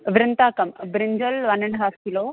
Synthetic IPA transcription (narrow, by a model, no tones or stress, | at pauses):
ʋɾɪnt̪akɐmbɾiɲd͡ʑəlʋanəɳɦaskilo